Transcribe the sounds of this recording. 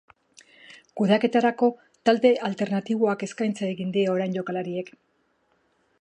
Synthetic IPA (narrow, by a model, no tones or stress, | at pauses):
kuðake̞t̪aɾako̞ | t̪ald̪e̞ʔalt̪e̞ɾnat̪iβ̞o̞ake̞skajnt͡saeɣind̪iao̞ɾajɲɟo̞kalaɾie̞k